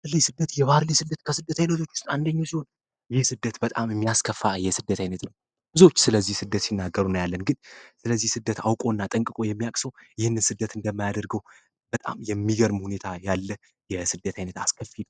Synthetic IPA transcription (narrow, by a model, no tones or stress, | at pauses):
baɾlesɨd̪ːət̪jɛβaɾlesɨd̪ːət̪kʰəsɨd̪ːət̪ʰajinət̪ʰo̞t͡ʃːu̥st̪and̪əɲːasiho̞n | jɪhsɨd̪ːət̪bət̪ʼamɨmːijaskʰəfːajɛsɨd̪ːət̪ʰajinət̪nəw | b̥ɨzo̞t͡ʃːsɨləzːihsɨd̪ːət̪sinːaɡːəɾunəwjalːənɡɨnsɨləzːihsɨd̪ːət̪awkʼo̞nːat̪ʼəŋkʼɨkʼo̞jɛmːijakʼsəwjɪhɨnːɨnsɨd̪ːət̪ɨnd̪əmːajad̪əɾɡəw | bət̪ʼa̰mjɛmːiɡəɾmhune̞t̪ʰajalːə | jɛsɨd̪ːət̪ʰajnət̪askʰəfid